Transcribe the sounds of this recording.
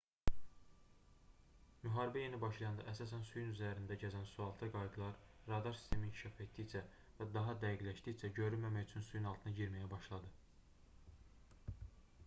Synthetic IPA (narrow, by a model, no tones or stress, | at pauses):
myɦɑːɾibæje̞nibɑʃlˠɑjɑnd̪ɑ̰ʔæsɑːsænsujunyzæɾind̪æɟæzænsuɑlˠt̪ʰɯɡɑjɡ̪lˠɑɾɾɑd̪ɑɾsi̥st̪ʰe̞mincʰi̥ʃɑfe̞t̪̚d̪it͡ʃʰæ | væd̪ɑɦɑd̪æjiɡlæʃd̪it͡ʃʰæɟø̞ɾylmæmæjyt͡ʃʰynsujunɑlˠt̪ʰɯnɑɟiɾmæjæbɑʃlˠɑd̪ɯ